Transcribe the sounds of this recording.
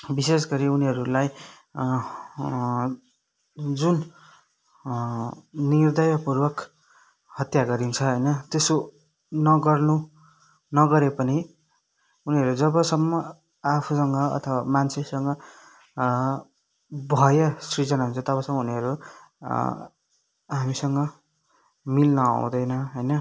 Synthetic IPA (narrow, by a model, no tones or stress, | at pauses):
bisesɡʌɾiuniɦʌɾulaj | d͡zun | nird̪ʌjbapurwʌk | hʌt̪jaɡʌɾint͡sʰʌɦʌjnʌt̪eso | nʌɡʌrnu | nʌɡʌɾepʌni | uniɦʌɾud͡zʌbʌsʌmːʌ | apʰusʌŋɡʌʌ̰t̪ʰʌwamant͡sʰesʌŋɡʌ | bʱʌjʌsrid͡zʌnaɦunt͡sʰʌt̪ʌβʌsʌmːʌuniʌɾu | ɦamisʌŋɡʌ | milnʌã̰w̃d̪ʌjnʌɦʌjnʌ